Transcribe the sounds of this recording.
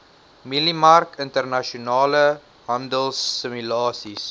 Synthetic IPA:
milimɐrkəntərnaʃionɑːlə | ɦɐndəlsːəmylɑːsis

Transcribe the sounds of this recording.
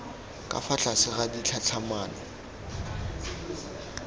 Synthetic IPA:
kʼa̰fat͡ɬasɪɣadit͡ɬʰat͡sʰamaːna

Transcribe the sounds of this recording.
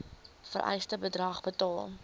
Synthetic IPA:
fə̰rʔɛ̰jstəbədrɐχbətɑːlˠ

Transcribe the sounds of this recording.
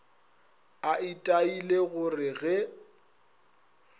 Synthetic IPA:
aitʼaileɣʊrɪɣɛ

